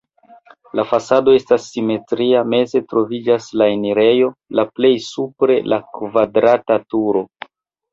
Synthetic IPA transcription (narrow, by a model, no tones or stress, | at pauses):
lafasado̞e̞stasːime̞tɾiame̞ze̞tɾo̞vid͡ʒaslaeniɾe̞jo̞laple̞jsupɾe̞̰lʔakvadɾatatuɾo̞